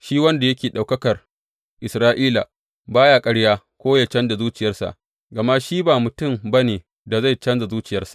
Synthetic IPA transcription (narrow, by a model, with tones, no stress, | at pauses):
ʃiː˦wɐ˦nda˨jɐ˦kʲeː˨ɗa˨wkɐ˦kɐ˨r | ʔɪ˨sɾaː˦ʔiː˦la̰˨ | baː˦jaː˦kʼɐ˦ɽjaː˦ | kʷoː˦ja˨t͡ʃɐ˦nda˨zuː˦t͡ʃɪ˨jɐ˦rsa̰˨ʔ | ɡɐ˨ma˦ʃiː˦baː˨mʊ˨tʊ˦˨mbɐ˦neː˨ | da˨za˦˨jt͡ʃɐ˦nza˨zuː˦t͡ʃɪ˨jɐ˦rsḁ˨ʔ